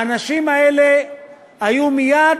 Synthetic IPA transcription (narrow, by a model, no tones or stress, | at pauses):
anaʃimaɛlɛ | ajumija